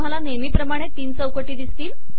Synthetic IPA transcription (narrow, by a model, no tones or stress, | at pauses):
alanemiːpɾəmaɽ̃et̪iːnsəwkoʈiːd̪ist̪iːl